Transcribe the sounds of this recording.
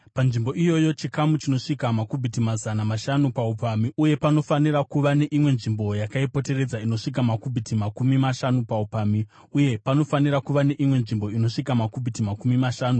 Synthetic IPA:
panʐimbo̞ijo̞jo̞t͡ʃikamut͡ʃino̞ʂikamakubʱitimazanamaʃanupaupamiuje̞pano̞fanirakuʋane̞ʔimwe̞nʐimbo̞jakaipo̞te̞re̞d͡zaino̞ʂik̬amakubʱitimakumimaʃanupaupami | uje̞pano̞fanirakuʋane̞ʔimwe̞nʐimbo̞ino̞ʂikamakubʱitimakumimaʃaːnu

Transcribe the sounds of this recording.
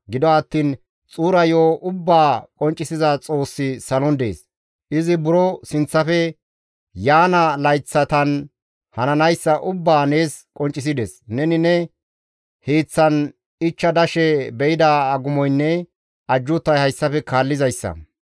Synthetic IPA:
ɡɪd̪ɔɐt̪ːiːn | t͡sʼuːɾɐjoːʔʊbːaːkʼɔnt͡ʃʼːɪsɪzɐt͡sʼo̞ːsːɪsɐlɔnd̪ḛːs | ʔɪzɪbʊɾɔsɪnt͡sːɐfɛ | jaːnɐlɐjt͡sːɐt̪ɐn | hɐnɐnɐjsːɐʔʊbːaːne̞ːskʼɔnt͡ʃʼːɪs̬ɪd̪ɛsnɛnɪnɛ | heːt͡sːɐn | ɪt͡ʃːɐd̪ɐʃɛbɛʔɪd̪aːɡʊmɔjnːɛ | ɐd͡ʒːʊt̪ːɐjhɐjsːɐfɛkaːlːɪzɐjsːɐ̰

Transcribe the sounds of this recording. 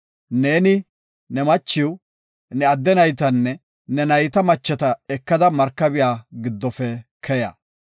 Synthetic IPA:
ne̞ːnɪ | nɛmɐt͡ʃːɪw | nɛɐd̪ːɛnɐjt̪ɐnːɛ | nɛnɐjt̪ɐmɐt͡ʃːɛt̪ɐɛkːɐd̪ɐmɐɾkːɐbɪjaːɡɪd̪ːɔfɛkʰɛjɐ̰

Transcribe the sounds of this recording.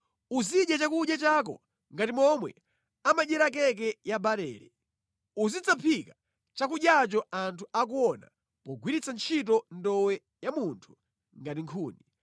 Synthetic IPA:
uziɗjat͡ʃakuʄjat͡ʃak̬ɔ̰ | ŋɡatimɔmwɛ̰ | amaʄɛɾak̬ɛk̬ɛjabaɾɛ̰ːɾɛ̰ | uzit͡sapʰika | t͡ʃak̬uɗjat͡ʃɔantʰuak̬uɔna̰ | pɔɡwiɾit͡sant͡ʃʰit̬ɔndɔwɛ | jamuntʰu̥ | ŋɡatiŋkʰuːni

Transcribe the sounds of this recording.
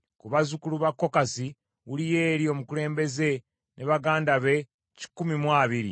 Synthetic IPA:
kuβazukuluβakːo̞kasi | wulije̞ːɾjo̞ːmukule̞ːmbe̞ze̞ | nʔeβaɡaːndaβe̞ | ci̥kːumimwaːβiɾḭ

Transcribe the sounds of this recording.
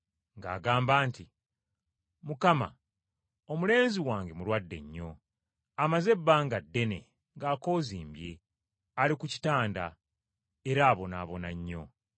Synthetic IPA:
ŋɡa̰ːɡaːmbaːnti | mukama̰ | o̞mule̞ːnziwaːŋɡe̞muɾwadːe̞̰ɲːo̞̰ | amaze̞bːaːŋɡadːe̞ne̞ | ŋɡaːko̞ːziːmbje̞̰ | alikuci̥taːnda̰ | eɾaːβo̞naβo̞naɲːo̞̰

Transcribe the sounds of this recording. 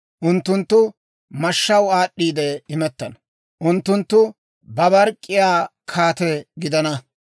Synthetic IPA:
ʔʊnt̪ːʊnt̪ːʊ | mɐʃːɐwaːɗːiːd̪ɛɪmɛt̪ːɐnɐ | ʔʊnt̪ːʊnt̪ːʊ | bɐbɐɾkʼːɪjaːkʰaːt̪ɛɡɪd̪ɐnɐ

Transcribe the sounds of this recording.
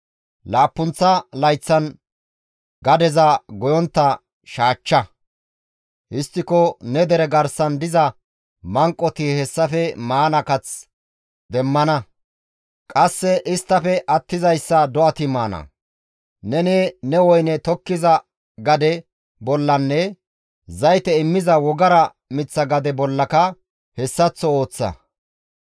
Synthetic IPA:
laːpːʊnt͡sːɐlɐjt͡sːɐn | ɡɐd̪ɛzɐɡɔjɔnt̪ːɐ | ʃaːt͡ʃːɐ | ʔɪst̪ːɪkɔnɛd̪ɛɾɛɡɐɾsɐnd̪ɪzɐ | mɐŋkʼːɔt̪ɪhɛsːɐfɛmaːnɐkɐt͡s | d̪ɛmːɐnɐ | kʼɐsːɛʔɪst̪ːɐfɛʔɐt̪ːɪzɐjsːɐd̪ɔɐt̪ɪmaːnɐ̰ | nɛnɛnɛwɔjnɛt̪ɔkːɪzɐ | ɡɐd̪ɛ | bɔlːɐnːɛ | zɐjt̪ɛɪmːɪzɐwɔɡɐɾɐ | mɪt͡sːɐɡɐd̪ɛbɔlːɐkɐ | hɛsːɐt͡sːɔo̞ːt͡sːɐ̰

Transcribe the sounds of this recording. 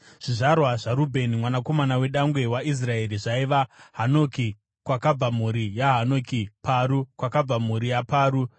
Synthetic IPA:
ʐ̥iʐarwaʐaɾubʱe̞nimwanako̞manawe̞ɗaŋɡwe̞waʔis̬rae̞ɾiʐaiʋaɦano̞ki | kwakab͡vamuɾijaɦanokipʰaɾukwakab͡vamuɾijapaːɾu

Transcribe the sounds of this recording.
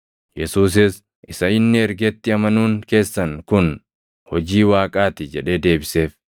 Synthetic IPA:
jɛsuːs̬ɪs | ʔɪsɐɪnːɪɛɾɡɛt̪ːɪɐmɐnuːŋke̞ːsːɐŋkʊn | hɔd͡ʒiːwaːkʼaːt̪ɪd͡ʒɛᶑe̞ːd̪e̞ːbɪse̞ːf

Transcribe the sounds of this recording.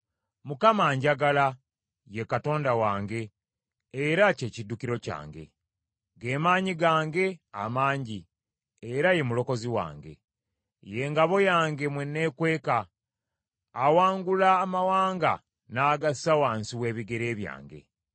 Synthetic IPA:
mukamaːɲɟaɡala | je̞kato̞ːndawaːŋɡe̞ː | ɾace̞ːcidːukiɾo̞ca̰ːŋɡe̞̰ | ɡe̞ːmaːɲiɡaːŋɡe̞amaːɲɟi | eɾaje̞mulo̞ko̞ziwa̰ːŋɡe̞̰ | je̞ːŋɡaβo̞jaːŋɡe̞mwenːe̞kwe̞ːka | waːŋɡulaːmawaːŋɡa̰ | naːɡasawaːnsiwe̞ːβiɡe̞ɾe̞ːβja̰ːŋɡe̞̰

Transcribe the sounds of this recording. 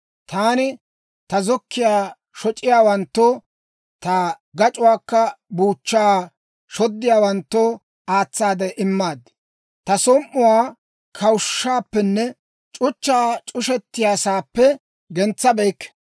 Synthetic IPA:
t̪aːnɪ | t̪ɐzɔkːɪjaː | ʃɔt͡ʃʼɪjaːwɐnt̪ːo | t̪ɐ | ɡɐt͡ʃʼʊwaːkːɐbuːt͡ʃːaː | ʃɔd̪ːɪjaːwɐnt̪ːo | aːt͡sːaːd̪ɛʔɪmːaːd̪ɪ | t̪ɐsɔmːʊwaː | kʰɐwʃːaːpːɛnːɛ | t͡ʃʼʊt͡ʃːaːt͡ʃʼʊʃɛt̪ːɪjaːsaːpːɛ | ɡɛnt͡sːɐbɛjkːɛ̥

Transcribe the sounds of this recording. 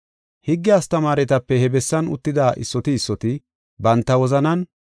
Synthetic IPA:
hɪɡːɪjaːst̪ɐmaːɾɛt̪ɐpːɛhɛbɛsːɐnʊ̰t̪ːɪd̪aːʔɪ̰sːɔt̪ɪːsːɔt̪ɪ | bɐnt̪ːɐwɔzɐnɐn

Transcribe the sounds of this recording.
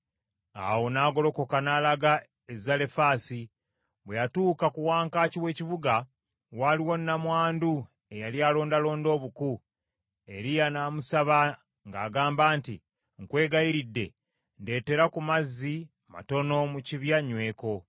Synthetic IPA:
a̰wo̞naːɡo̞lo̞ko̞kanalaɡa | ezale̞faːsi | βwejatuːkakuwaːŋkaːciwe̞ːcivuɡa | waliwo̞nːamwaːndu | e̞jaljaːlo̞ːndalo̞ːndo̞ːβuku | e̞ɾijanaːmusaβa | ŋɡaːɡaːmbaːnti | ŋkwe̞ːɡajiɾidːe̞̰ | nde̞ːte̞ɾakumazːi | ma̰to̞no̞muciβjaɲwe̞ːko̞

